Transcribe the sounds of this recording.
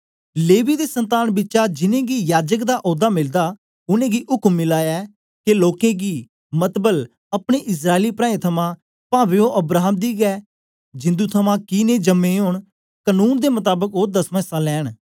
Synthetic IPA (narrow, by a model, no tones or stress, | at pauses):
leːʋiːd̪eːsənt̪aːnbɪtːt͡ʃaːd͡ʒɪnẽːɡiːjaːd͡ʒəkd̪aːʔoːd̪aːmɪld̪aː | ʊnẽːɡiːʔʊkəmːɪlaːjaː | kɪloːkẽːɡiː | mət̪bəl | əpɽ̃eːʔɪs̬ɾaːeliːpɾãːẽt̪ʰəmãː | pãːbeːõːʔəbɾaːɦəmd̪iːɡɛː | d͡ʒɪ̃nd̪ũːt̪ʰəmãːkineːd͡ʒəmẽːɦoːɳ | kənuːnd̪eːmʊt̪aːbəkoːd̪əsmə̃saːlɛːɳ